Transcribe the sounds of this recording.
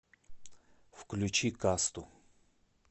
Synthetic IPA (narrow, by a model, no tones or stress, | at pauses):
fklʲut͡ɕikast̪ʊ